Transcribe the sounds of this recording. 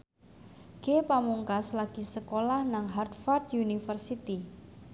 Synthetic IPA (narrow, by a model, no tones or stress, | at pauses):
ɡ̥epamuŋkaslaɡ̥i̤səkolahnaŋɦart̪̚fard̪unifərsit̪i